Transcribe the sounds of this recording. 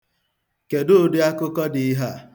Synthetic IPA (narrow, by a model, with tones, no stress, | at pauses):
ke˨dʊ˦dɪ˦a˦kʊ˦kɔ˦dɪ˨i˦ɦa˦